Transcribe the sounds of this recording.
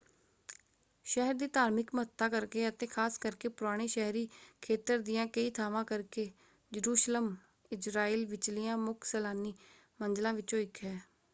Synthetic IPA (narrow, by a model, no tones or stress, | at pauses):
ʃɛɦəɾd̪iːt̪aːɾmɪkmət̪ːaːkəɾkeːət̪ẽːkʰaːskəɾkeːpʊɾaːɽ̃eːʃɛɦɾiːkʰeːt̪əɾd̪ɪjãːkəiːt̪ʰaːʋãːkəɾkeː | d͡ʒəɾuːʃləm | ɪd͡ʒɾaːiːlʋɪt͡ʃlɪjãːmʊkʰsɛːlaːniː | mənd͡ʒlãːʋɪt͡ʃõːɪkʰɦɛː